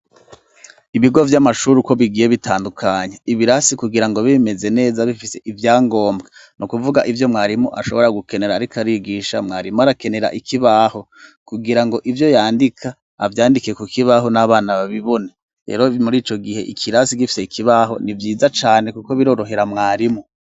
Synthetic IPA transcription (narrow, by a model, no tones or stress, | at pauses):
iβiɡo̞vjamaʃuɾuko̞βiɡije̞βitaːndukʰaɲeiβiɾasikuɡiɾaŋɡo̞βime̞ze̞ne̞ːzaβifise̞ʔivjaːŋɡo̞ːmbɡenʔukuvuɡaʔivjo̞mŋaːɾimoʔaʃo̞βo̞ɾaɡuke̞ne̞ɾaːɾikaɾiɡiʃa̰mŋaːɾimoaɾake̞ne̞ɾa̰ʔikʰiβaːho̞ | kuɡiɾaŋɡo̞ʔivjo̞jaːndikʰaː | vjaːndike̞kukiβaɦo̞naβaːnaβaβiβo̞ne | ɾḛːɾo̞muɾiːt͡ʃo̞ɡihe̞̰ʔikʰiɾasikifi̥se̞ikʰiβaɦo̞̰nivjiːzat͡ʃaːne̞kuko̞βiɾo̞ːɾo̞ɦe̞ɾamŋaːɾimo